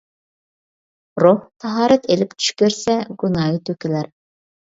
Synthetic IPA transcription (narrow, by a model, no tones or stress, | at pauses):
ɾoht̪ʰɑɦɑːɾɛt̪ʰelɪp̚t̪ʰy̥ʃkʲøɾsɛɡunɑːjit̪ʰøkʲilæɾ